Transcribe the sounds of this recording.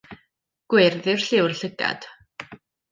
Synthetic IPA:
ɡ̥wɪrðɪr̥ɬɪwrɬɪɡa̰d̪̥

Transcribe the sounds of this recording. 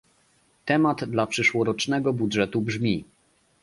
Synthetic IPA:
t̪ɛmad̪d̪lapʂɘʂwɔɾɔt͡ʂnɛɡɔbudʐɛt̪ubʐmʲi

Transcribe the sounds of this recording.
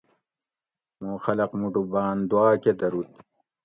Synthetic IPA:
mõːxɐlɐqmuʈubaːnd̪uwaːked̪ɐɾut̪̚

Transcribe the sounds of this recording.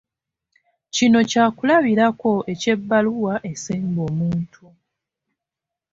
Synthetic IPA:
cino̞caːkulaβiɾako̞ʔe̞ce̞bːaluwaʔe̞siːmbo̞ːmuːntʰu

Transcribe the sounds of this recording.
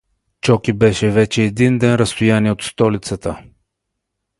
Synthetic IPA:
t͡ʃɔkibɛʃɛvɛt͡ʃɛːd̪ind̪ɛnɾəst̪ʊjaniɛot̪st̪ɔlit̪sət̪ə

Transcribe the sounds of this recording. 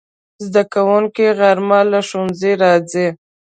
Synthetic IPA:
zd̪akawʊŋkiɣaɾmalaʃunziɾɑd͡zi

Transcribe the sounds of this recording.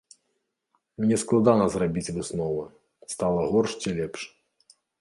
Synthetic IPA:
mnʲɛsklˠad̪anɐzrabʲit͡sʲvɨsnɔvɐ | st̪alˠɐɣɔrʂt͡sʲilʲɛpʂ

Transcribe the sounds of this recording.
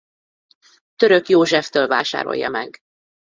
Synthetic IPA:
t̪øɾøkjoːʒɛft̪øːlvaːʃa̰ːɾo̞̰jːɒ̰mɛɡ

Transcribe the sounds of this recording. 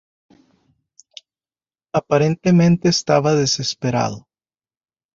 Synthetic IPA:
apaɾent̪emẽnt̪eːst̪aβaðesespeɾa̰ðʊ

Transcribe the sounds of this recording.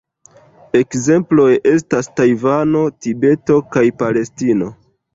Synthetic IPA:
e̞kze̞mplo̞jʔe̞s̬tastajvano̞tibe̞to̞kajpale̞stino̞

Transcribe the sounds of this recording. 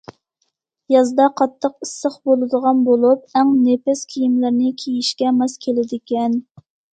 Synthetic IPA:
jɑzd̪ɑqʰɑt̪ʰːəqisːəχbolˠɨd̪əʁɑnbolˠup̚æŋnepɪskʲʰijimlɪɾnɪkʲʰejiʃkʲɛmɑskʲʰelɪd̪ɪkʲɛn

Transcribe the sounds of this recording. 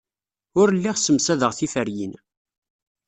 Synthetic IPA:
ʊɾəlːiʁsəmsæðəʁθifəɾjḭn

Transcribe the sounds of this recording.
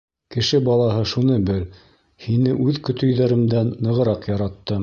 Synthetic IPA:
kɘ̆ʃɘbɑlˠɑɦɤʃunɤbɘl | hinɘʔʉðkɵ̆t̪ɵ̆jðæɾɘ̆md̪ænːɤ̆ʁɤ̆ɾɑqjɑɾɑt̪ːɤ

